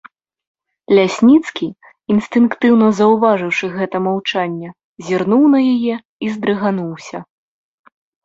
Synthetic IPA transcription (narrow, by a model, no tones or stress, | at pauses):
lʲasʲnʲit̪skʲi | inst̪ɨnkt̪ɨwn̪ɐzɐwvaʐɨwʂɨɣɛt̪ɐmawt͡ʂanʲːɛ | zʲirnuwnɐjajɛ | izd̪ɾɨɣanuwsʲɐ